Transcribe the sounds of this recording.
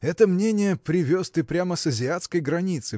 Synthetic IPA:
ɛt̪əmnʲenʲɪjəpɾʲɪvʲost̪ɨpɾʲaməsəzʲɪat̪skəjɡɾɐnʲit̪sɨ

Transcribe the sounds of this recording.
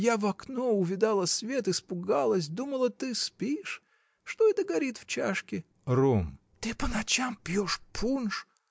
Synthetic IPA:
javɐknoʊvʲɪd̪alˠəsvʲet̪ɨspʊɡalˠəs̬ʲd̪uməlˠət̪ɨspʲiʂ | ʂt̪oɪd̪əɡɐɾʲit̪ft͡ɕa̰ʂkʲɪ | rom | t̪ɨpənɐt͡ɕampʲjoʂpʰunʂ

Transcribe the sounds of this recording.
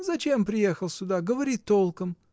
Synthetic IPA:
zɐt͡ʃempɾʲɪjexəlˠsʲʊd̪aɡəvɐɾʲit̪ːolˠkəm

